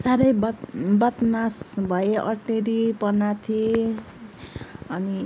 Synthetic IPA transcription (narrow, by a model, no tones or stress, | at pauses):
saɾʌjbbʌt̪nasbʱʌjeʔʌ̰rʈeɾipʌnat̪ʰie | ʌni